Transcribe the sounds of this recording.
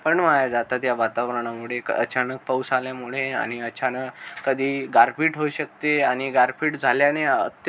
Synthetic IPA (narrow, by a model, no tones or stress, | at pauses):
pəɳmaɭajd͡zat̪at̪jaʋat̪aʋəɾɳ̃amuɭ̤ekə̰t͡ɕanək̚pəwsaljamuɭ̤ea̰ɽ̃iət͡ɕʰanəkəd̪ʱiːɡaɾfiːʈɦoɕək̚t̪eaɽ̃iɡaɾfiːʈd͡zʱaljaneət̪